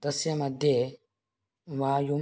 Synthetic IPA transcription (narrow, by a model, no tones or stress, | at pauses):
dasiamadɛ | wajo